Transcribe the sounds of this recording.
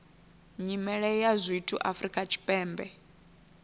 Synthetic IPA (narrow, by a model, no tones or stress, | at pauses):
ɲimɛɺɛjazʷitʰṵʔafɾikʼat͡ʃʰi̥pʼɛːmbɛ